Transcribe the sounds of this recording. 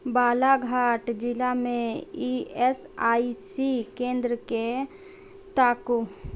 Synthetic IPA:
baːlaɡʱaːʈd͡ʒɪlamẽiesaːisikẽːnd̪ɾəke | t̪aːku

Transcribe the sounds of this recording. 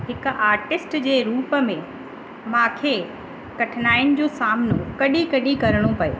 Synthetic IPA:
ɦɪkʔaːɾʈɪsʈd͡ʑeːɾuːpə̆mẽ | mãːkʰeː | kɐʈʰɪnaːɪñɪ̆d͡ʑoːsaːmnokɐɗikɐɗikɐɾəɽ̃opɐjo̰ː

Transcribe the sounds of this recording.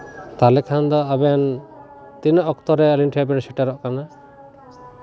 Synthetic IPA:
t̪alɛkʰand̪ɔabɛan | t̪inɔkt̪ɔɾɛːlinʈʰabɛnsiʈaɾɔʔkana

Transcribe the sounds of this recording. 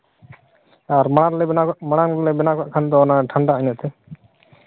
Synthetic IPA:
aɾmaɽ̃aɾlɛnamaɽ̃aŋɾɛlɛbɛnakaʔkʰand̪ɔnaʈʰaɳɖaaɲat̪ɛ

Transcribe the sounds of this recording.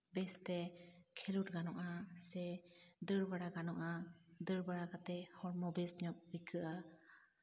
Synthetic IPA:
bɛst̪ɛkʰɛluʈ̚ɡanɔʔasɛd̪əɾbaɽaɡanɔʔad̪əɾbaɽaɡat̪ɛhɔɾmɔbɛsɲɔʔ̚ɯjkʰəʔa

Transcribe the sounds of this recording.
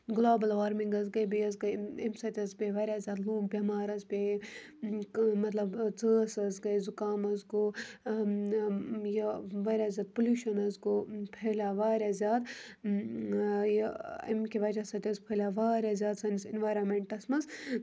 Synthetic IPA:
ɡloːbɐlʋaːɾmiŋɡɐzɡɐjbijɐz̬ɡɐjemsɐt̪ʲɐzbʲeʋɐɾʲaːzʲaːt̪luːk̚bʲimaːɾɐsbʲe | mɐt̪lɐbt͡səːsɐzɡɐjzukaːmɐzɡoː | jɐʋɐɾʲaːzʲjaːd̪̚puluːʃɐnɐzɡoːpʰeːlʲaːʋaːɾʲaːzʲjaːd̪ | jɐɐ̰mkiʋɐd͡ʒɐsɐt̪ʲɐspʰɐlʲaːʋaːɾʲjaːzʲaːd̪sɐnisinʋaːjɾɐnmeɳʈɐsmɐz

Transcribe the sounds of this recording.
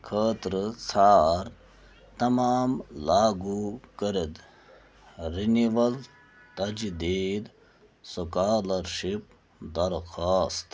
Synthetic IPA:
kʰaːt̪ɾt͡sʰaːɾ | t̪ɐmaːmlaːɡukəɾed̪ | ɾiniʋɐl | t̪ɐd͡ʒd̪iːd̪ | sokaːlɐɾʂip̚ | d̪ɐɾxʰaːst̪

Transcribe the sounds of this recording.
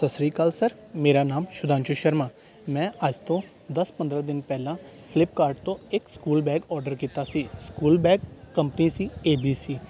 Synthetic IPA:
səsɾiːkaːlsəɾ | meːɾanaːmʃʊd̪ʱãːnt͡ʃɪʃəɾmaː | mɛ̃ːʔaːd͡ʒt̪õ | d̪ɐspə̃nd̪ɾad̪ɪnpɛːlã | pʰɪlɪpkaːɾɖt̪õeːkskuːlbɛ̃ːɡɔːɾɖəɾkiːt̪asiːskuːlbɛ̃ːkːɐ̃mpənisiːeːbiːsiː

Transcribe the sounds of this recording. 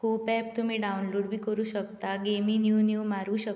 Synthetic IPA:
kupɛpt̪um̤iɖaunloːɖbʱikəɾuɕək̚t̪aɡeminjuːnjuːmaɾuːɕə

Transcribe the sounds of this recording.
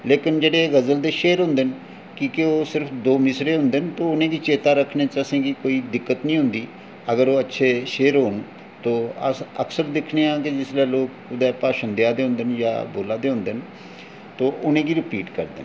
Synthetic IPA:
leːkɪnd͡ʒeːɽeːɣəzəld̪eːʃeːɾɦʊ̃nd̪en | kiːkɪoːsɪɾpʰd̪oːmɪsɾeːɦʊ̃nd̪ent̪oːʊnẽːɡiːt͡ʃeːt̪aːɾəkʰneːt͡ʃəsẽːɡiːkoːiːd̪ɪkːət̪nĩːɦʊ̃nd̪iː | əɡəɾoːətːʃʰeːʃeːɾɦoːn | t̪oːəsəksəɾd̪ɪkʰneːãːkɪd͡ʒɪsleːloːk | ʊd̪ɛːpaːʃənd̪ɪjaːd̪eːɦʊ̃nd̪enja̰ːboːlaːd̪eːɦʊ̃nd̪en | t̪oːʔʊnẽːɡiːɾɪpiːʈkə̰ɾd̪ɪ̰n

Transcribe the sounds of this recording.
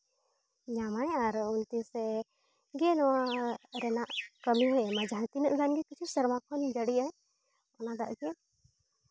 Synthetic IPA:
ɲamãaɾunt̪isɛ | ɡɛnɔ | ɾɛnaʔkɾəmiɦɛməd͡ʒant̪inə̰ʔɡanɡɛkit͡ʃʰusəɾmakʰɔnd͡ʒəɽijaɛ | ɔnad̪a̰ʔɡɛn

